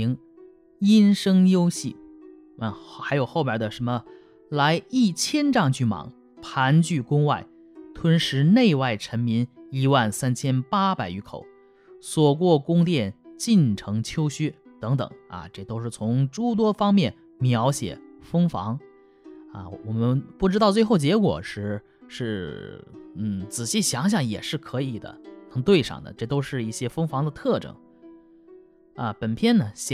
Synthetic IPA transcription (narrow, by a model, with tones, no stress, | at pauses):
ŋ | i˥nʂɤ˥ŋjo˥ʊɕi˥˩ | a˥˧˩xa˧˥ɪjo˨˩ʊxo˥˧ʊmjə˞˨˩d̪ə˧ʂə˧˥mə˧ | la˧˥ɪi˥˩t͡ɕʰjɛ˥nʈ͡ʂɑ˥˧ŋt͡ɕy˥˩mɑ̰˨˩˦ŋ | pʰa˧˥nt͡ɕy˥˩kʊ˥ŋwa˥˩ɪ | t̪ʰwə˥nʂɻ̩˧˥ne˥˧ɪwa˥˩ɪʈ͡ʂʰə˧˥nmi˧˥ni˧˥wa˥˩nsa˥nt͡ɕʰjɛ˥npa˥pa˨˩ɪy˧˥kʰo˨˩˦ʊ | swɔ˨˩k̬wɔ˥˩kʊ˥ŋt̪̬jɛ˥˩nt͡ɕi˥˩nʈ͡ʂʰɤ˧˥ŋt͡ɕʰjo˥ʊɕy˥t̪ɤ˧˥ŋt̪ɤ̰˨˩˦ŋɐ̰˧ʈ͡ʂɤ˥˩t̪o˥ʊʂɻ̩˥˩t͡sʰʊ˧˥ŋʈ͡ʂu˥t̪̬wɔ˥fɑ˥ŋmjɛ˥˩n | mjɑ˧˥ʊɕjɛ̰˨˩˦fɤ˥ŋfɑ̰˧˥ŋ | a̰˧˩wɔ˨˩mə˦npu˥˩ʈ͡ʂɻ̩˥t̪ɑ˥˧ʊt͡swe˥˧ɪxo˥˩ʊt͡ɕjɛ˧˥kwɔ̰˨˩ʂɻ̩˧˥ | ʂɻ̩˥˩ | n̩˥˩t͡sɹ̩˨˩ɕi˥˩ɕjɑ˧˥ŋɕ̬jɑ˥˩ŋjɛ̰˨˩ʂɻ̩˥˩kʰɤ˧˥i˨˩d̪ə̰˦nɤ˧˥ŋt̪we˥˧ɪʂɑ̰˥˩ŋd̪ə̰˩ʈ͡ʂɤ˥˩t̪o˥ʊʂɻ̩˥˧i˥˩ɕjɛ˥fɤ˥ŋfɑ˧˥ŋd̪ə˧t̪ʰɤ˥˩ʈ͡ʂɤ̰˥˩ŋ | a̰˧pə˨˩npʰjɛ˥˩nnə˨